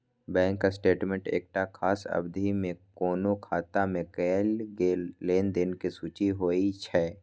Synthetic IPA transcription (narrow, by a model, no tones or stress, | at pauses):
bɛ̃ːŋkːasʈeːʈmẽɳʈḛːk̚ʈakʰaːsɐ̰bd̪ʱimẽkoːnokʰaːt̪amẽkɛːlɡeːleːnd̪ɪnkisuːt͡ʃiɦoːit͡ʃʰɛː